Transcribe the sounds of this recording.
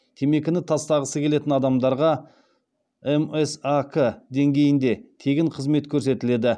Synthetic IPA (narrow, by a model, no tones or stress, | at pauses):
t̪ʲʰe̞me̞kʲɪnɪt̪ʰɑst̪ɑʁəsəkʲʰe̞le̞t̪ɪnɑd̪ɑmd̪ɑɾʁɑ | emesakʰəd̪e̞ŋɡʲe̞jɪnd̪e̞t̪ʰe̞ɡʲɪɴqʰəzme̞t̪kʲʰɵɾse̞t̪ɪle̞d̪ɪ